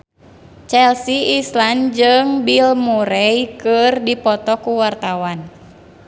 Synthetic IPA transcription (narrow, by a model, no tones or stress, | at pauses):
t͡ʃɛlsiːsland͡ʒɨŋbilmuɾɛjkɨrdipɔt̪ɔkuwart̪awan